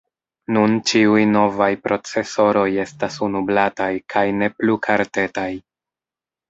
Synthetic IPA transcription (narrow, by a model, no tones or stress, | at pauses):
nunt͡ʃiujno̞vajpɾʔo̞t͡se̞so̞ɾo̞je̞stasunublatajkʰajne̞plukʰaɾte̞taj